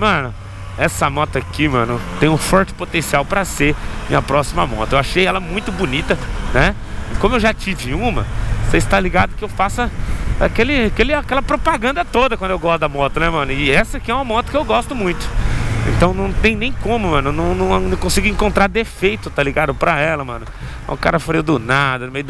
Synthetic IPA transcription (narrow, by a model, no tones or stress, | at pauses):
mɐ̃nʊ | ɛsɐmɔt̪akimɐ̰̃nʊt̪ẽj̃ʊ̃fɔɾt͡ʃɪ̥pot̪ẽsiawpɾɐsemḭ̃ɐpɾɔsimɐ̰mɔ̰t̪ɐewaʃejɛlɐmũj̃t̪ʊbunit̪ɐnɛ | kõmʊewʒat͡ʃid͡ʒɪũmɐ̰seɪst̪aliɡad̪ʊkɪewfasɐa̰kelɪakelɪakɛlɐpɾopaɡɐ̃nd̪ɐt̪od̪ɐkwɐ̃d̪ʊewɡɔst̪ʊd̪ɐmɔt̪ʊnɛmɐ̃nʊɪɛsɐkɪɛũmɐmɔt̪ʊkɪewɡɔst̪ʊmũj̃t̪ʊ̥ḛ̃nt̪ɐ̃w̃nɐ̃w̃t̪ẽj̃nẽj̃kõmʊmɐ̃nʊnɐ̃w̃nɐ̃w̃nɐ̃w̃kõsiɡʊĩŋkõnt̪ɾaɾd̪efejt̪ʊt̪aliɡad̪ʊpɾɐɛlɐmɐ̰̃nʊ̰̃ | ʊkaɾɐfɾeʊd̪ʊnad̪ɐnʊmejʊd̪